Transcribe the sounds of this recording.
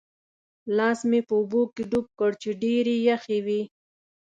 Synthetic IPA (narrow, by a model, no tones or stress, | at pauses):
lɑːsmepəubokeɖup̚kəɽt͡ʃeɖeɾijaxewi